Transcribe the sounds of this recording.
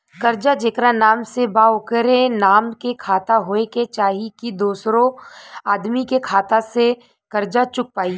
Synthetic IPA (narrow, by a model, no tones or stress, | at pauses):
kɐɾd͡ʒad͡ʒeːkɾanaːmsebaːokəɾenaːmkekʰaːt̪aɦoːeket͡ʃaːɦikid̪oːsɾõaːd̪mikekʰaːt̪ase | kɐɾd͡ʒat͡ʃʊk̚paːi